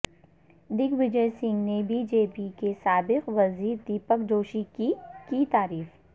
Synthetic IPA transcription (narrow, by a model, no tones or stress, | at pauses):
d̪ɪkʋɪd͡ʒəjsɪ̃ŋɡnebiːd͡ʒeːpikesaːbɪqʋɐziːɾd̪iːpəkd͡ʒoːʃikkit̪aːɾiːf